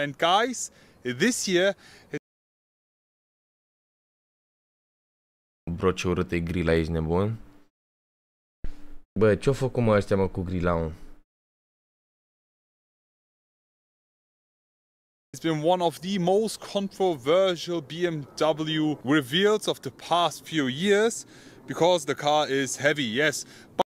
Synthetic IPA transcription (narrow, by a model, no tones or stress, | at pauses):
ɨ̃nɡaɪz | ðɪsjiɹ | bɾot͡ʃeuɾɨt̪eɡɾilaiʃnebun | bət͡ʃeofəkumaaʃt̪ʲaməkuɡɾilawn | sbɨ̃nwʌ̃nɔvðɨmoʊstkʰɔ̃ntɹ̥ovɜ˞ʃəlˠbiɛ̃mdʌbl̩ˠjuɹɪvilˠdzɔvðəpʰastfjujɪɹz̥ | b̥ɨkʰɔzðəkʰɑɹɪz̥hɛvijɛs | b̥